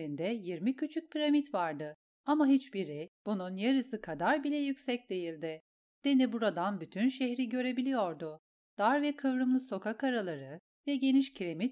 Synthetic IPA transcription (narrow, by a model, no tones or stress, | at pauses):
ɾind̪ɛjiɾmicʰyt͡ʃʰyc̚pʰiɾamit̪vaɾd̪ɯ | amaɦit͡ʃbiɾib̥ununjaɾɯsɯkʰad̪aɾbilʲɛjycsɛc̚d̪e̞jilʲd̪ɪ | d̪̥e̞nibuɾad̪anbyt̪ʰynʃɛçɾiɟø̞ɾe̞bilʲijo̞ɾd̪ʊ | d̪̥aɾvɛkʰɯvɾɯmlˠɯso̞kʰakaɾalˠaɾɯ | vɛɟe̞niʃcʰiɾe̞mit̪̚